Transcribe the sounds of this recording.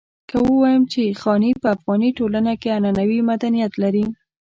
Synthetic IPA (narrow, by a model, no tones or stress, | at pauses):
kəwəwɑjəmt͡ʃexɑnipəafɣɑniʈolanakeananawimad̪anijat̪laɾi